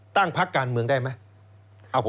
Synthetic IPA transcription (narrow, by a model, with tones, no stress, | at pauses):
t̪a˥˩ŋpʰa˦˥kːaː˧nmɯ˧əŋdaː˥˩jma˦˥j | ʔa˧˩wpʰ